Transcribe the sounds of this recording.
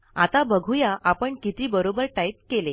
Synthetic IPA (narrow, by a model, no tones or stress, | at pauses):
at̪abəɡʱujaʔapəɳkit̪ʰiːbəɾobəɾʈaip̚kele